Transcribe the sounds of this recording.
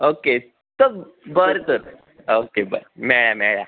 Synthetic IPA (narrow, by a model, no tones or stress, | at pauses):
oke | t̪o | bəɾt̪əɾ | okebə̰ɾmɛɭamɛɭa̰